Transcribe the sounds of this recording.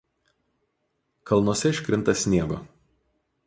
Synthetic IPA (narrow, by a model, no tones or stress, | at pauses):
kɐlˠnuɔsʲɛɪʃʲkʲɾʲɪnt̪ɐsʲnʲieɛʋɐ̰